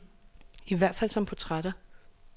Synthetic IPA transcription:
iʋæɐ̰d̥fæl̰sɒ̽mpʰɒt͡sʰʁad̥ɐ

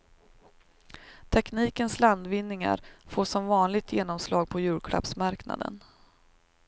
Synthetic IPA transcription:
t̪ʰɛkniːkənsland̪vɪnːɪŋa̰ɾfoːʂɔmvɑːnlɪɡ̚t̪ʰjeːnɔmslɑːɡ̚pʰɔjʉ̟ːɽkʰɽa̰psmaɾkna̰d̪ə̰n

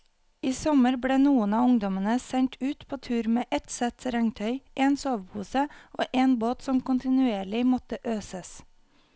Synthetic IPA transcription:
iːsɔməɾbɽeːnuːənɑːʊŋd̪ɔmənəsɛɲt̪ʰʉːt̪pʰoːt̪ʰʉːɾmeːʔɛt̪sɛt̪ɾɛŋt̪ʰœʏʔeːnsoːʋpʰuːsəʔo̰ːʔeːnboːt̪sɔmkʊnt̪ɪnʉeːɭɪmɔt̪əʔøːsəs

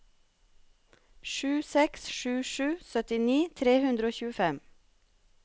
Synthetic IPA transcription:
ʃʉːsɛksʃʉːʃʉːsœt̪ɪniːt̪ʰɾeːhʉnd̪ɾəoːçʉːəfɛm

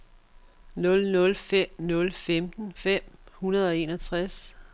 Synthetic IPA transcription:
nɔ̽lnɔ̽lfem̰nɔ̽lfemd̥n̩fem̰hunɐð̞ˠɒ̽e̝ːnɒt͡sʰʁas

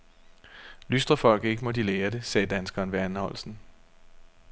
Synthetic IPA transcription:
lysd̥ʁɐfɒ̽l̰ɡ̥ð̩ˠe̝ɡ̥əmɒ̽d̥ileːɐd̥e̝sɛːd̥ænsɡ̥ɒnʋæɐnhɒ̽l̰sn̩

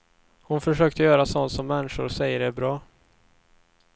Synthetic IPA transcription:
hʊnfœʂøːk̚t̪əjœːɾasɔnt̪sɔmːɛnːɪʂʊɾsɛjːəɖɛbɾɑː

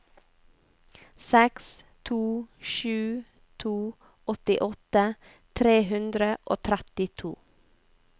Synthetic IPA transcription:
sɛks | t̪ʰuːʃʉː | t̪ʰuː | ɔt̪ɪʔɔt̪ə | t̪ʰɾeːhʉnd̪ɾəʔoːt̪ʰɾæt̪ɪt̪ʰṵː

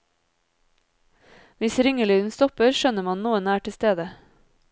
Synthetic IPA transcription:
ʋɪsɾʏŋəlyːd̪n̩st̪ɔpəɾʃœnəmɑnnuːənæːʈɪst̪eːd̪ə

